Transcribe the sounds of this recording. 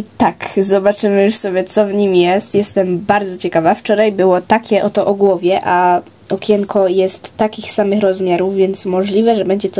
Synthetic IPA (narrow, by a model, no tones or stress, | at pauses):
it̪akzɔbat͡ʂɘmɘjuʂsɔbʲjɛt̪sɔvɲimjɛst̪jɛst̪ɛmbaɾd̪zɔt͡ɕɛkavaft͡ʂɔɾajbɘwɔt̪akʲɛʔɔt̪ɔʔɔɡwɔvʲjɛʔa | ɔkʲjɛŋkʰɔjɛst̪ːakʲixsamɘxɾɔzmʲjaɾuvvʲjɛnt̪smɔʐlʲivɛʐɛbɛɲd͡ʑɛt̪